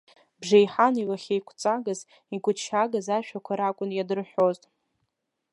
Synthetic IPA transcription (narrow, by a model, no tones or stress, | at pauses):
bʐejħanilaχʲejkʷʰt͡sʼaɡaz | iɡʷʼʊt͡ʃʰaɡazaʃᶣakʷʰaɾakʷʼʊnjadɨrħʷᶣo̞ztʼ